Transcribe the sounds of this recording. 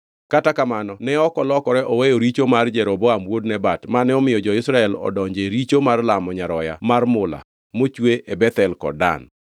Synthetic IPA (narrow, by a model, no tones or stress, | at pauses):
katakamanɔnɛɔkɔlɔkɔɾɛʔɔwejoɾit͡ʃomard͡ʒɛɾɔbɔamwodnɛbatmanɛɔmɪjɔd͡ʒɔɪsɾaɛlɔ̰dɔɲd͡ʒeɾit͡ʃomarlamɔɲaɾɔja̰marmʊla̰ | mot͡ʃweʔebɛt̪ɛlkɔ̰da̰n